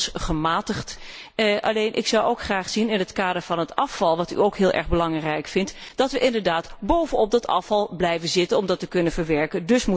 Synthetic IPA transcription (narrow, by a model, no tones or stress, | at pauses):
sχəmaːtəχt | ʔɑ̰lejnʔɪ̰ksɑwowkχraːχsinɪnɦətkaːdəɹvɑnɦətɑfɑlˠʋɑty̰owkɦɪːlˠʔɛ̰ɹχbəlɑŋrɛjkfɪntd̥ɑtʋəʔɪndəɹdaːtbowvənɔp̚dɑtɑ̰fɑlˠblɛjvənzɪtənɔmdɑtəkɵnənvəɹʋɛɹkəndɵsmu